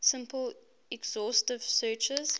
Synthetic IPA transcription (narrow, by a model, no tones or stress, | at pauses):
sɪ̃mpʰəl | ɛɡz̥ɔstɪv̥sɜːt͡ʃəz̥